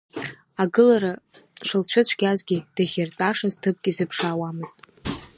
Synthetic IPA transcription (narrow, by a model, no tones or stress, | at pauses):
aɡɨlaɾaʂɨlt͡ɕʷʰɨt͡ɕʷʰɡʲazɡʲid̥aɣʲɪrt͡pʼaʂaztʰɨp̚ʼɡʲizɨpʰʂaːwamɨztʼ